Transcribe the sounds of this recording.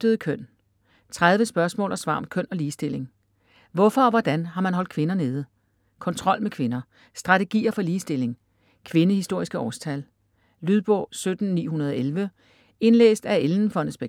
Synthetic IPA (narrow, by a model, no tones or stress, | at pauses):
d̥əðˠkʰøn̰ | t͡sʰʁað̞ˠʋəsb̥ɶɐsmɔ̰ːlʔɒsʋɑ̈ːɒ̽mkʰœn̰ɒ̽liːsd̥e̝le̝ŋ | ʋɒfɒ̽ːʋɒd̥ænɦɑ̈mænɦɒ̽l̰d̥̚kʰʋe̝nɐne̝ːð̞ˠə | kʰɒ̽nt͡sʰʁɒ̽l̰mekʰʋe̝nɐ | sd̥ʁɑ̈t͡sʰe̝ɡ̥ḭːɐfɒ̽liːsd̥e̝l̰e̝ŋ | kʰʋe̝nəhisd̥o̝ɐ̰isɡ̥əɒ̰ːst͡sʰæl | lyðˠb̥ɔ̰ːsød̥n̩nḭːɦunɐð̞ˠɒelʋə | e̝nlḛːsd̥æelnn̩fɒ̽nsb̥eɡ